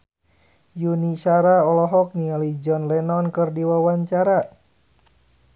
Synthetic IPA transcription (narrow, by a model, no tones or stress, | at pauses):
juniʃaɾaɔlɔɦɔk̚nialid͡ʒɔnlɛnɔnkɨrdiwawaɲt͡ʃaɾa